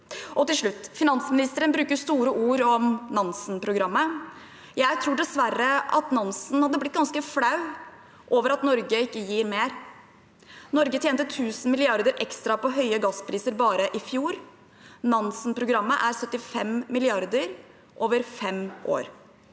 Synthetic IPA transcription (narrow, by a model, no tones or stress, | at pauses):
ʔɔt̪ɪlʂɭʉt̪ːfɪnɑnsmɪnɪst̪əɾənbɾʉːkəʂt̪uːɾəʔuːɾɔmnɑnsnpʰɾʊɡɾɑmːə | jæɪt̪ʰɾuːɖɛsʋæɾːəɑt̪nɑnsn̩hɑd̪ːəblɪt̪̚ɡɑnskəflɑʉ | ʔoːʋəɾɑt̪nɔɾɡəɪkːəjiːɾmeːɾ | nɔɾɡət̪jeːnt̪ət̪ʰʉːsn̩mɪlɪɑɾd̪əɾʔɛkst̪ɾɑpɔɦœʏəɡɑsːpʰɾiːsəɾbɑːɾəʔɪfjuːɾ | nɑnsn̩pʰɾʊɡɾɑmːəʔæɾsœt̪ːɪfɛmmɪlɪɑɾd̪əɾ | ʔoːʋəɾfɛmʔo̰ːɾ